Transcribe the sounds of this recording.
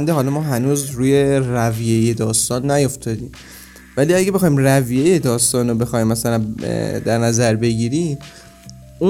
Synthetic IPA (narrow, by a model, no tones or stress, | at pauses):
nd̪eɦɒːlɒmɒːɦænuːzɾuːje̞rævijejed̪ɒːst̪ɒːnːæjo̞ft̪ɒd̪iːm | væliːæɟebe̞xɒːimrævijejed̪ɒːst̪ɒːnobe̞xɒːjimːæsælænd̪æɾnæzæɾbe̞ɟiːɾiːm | u